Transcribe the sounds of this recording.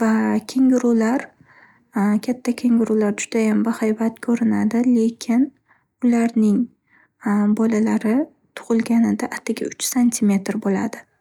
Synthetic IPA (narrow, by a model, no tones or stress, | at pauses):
vakʲʰe̞ŋʲɪɾulaɾ | kʲʰat̪ʰːakʲʰe̞ŋɪɾulaɾd͡ʒʊd̪̥ajambɪhajbat̪kʰɵɾɪnad̪ɪle̞kʲʰɪn | ʊlaɾnɪŋ | bɒlalaɾɪ | t̪ʰʊ̥ʁɨlˠɡʲanɪd̪aʔːt̪ʰːɪɡʲa̰ʊt͡ʃsanʲt̪ʰimʲe̞t̪ɾbola̰d̪ɪ